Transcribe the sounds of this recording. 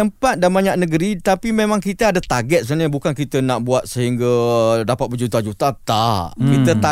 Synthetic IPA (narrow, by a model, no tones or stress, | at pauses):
əmpat̪̚danbaɲaʔnəɡəɾit̪apimemãŋkit̪əadat̪aɡɛt̪̚sənəbukankit̪ənaʔbuat̪̚səɦiŋɡadapat̪̚bəd͡ʒut̪ad͡ʒut̪at̪aʔkit̪ət̪a